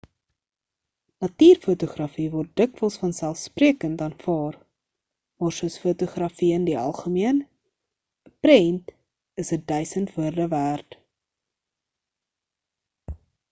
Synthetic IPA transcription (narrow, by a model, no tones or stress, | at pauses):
nɐtiːrfutuχrɐfivɔrt̚dəkvəlˠsfɐnsælˠfspriəkəntɑːnfɑːr | mɑːrsuəsfutuχrɐfiəndiɐ̰lˠχəmiən | əpɾɛnt | əsədœɥsəntvuərdəvæːrt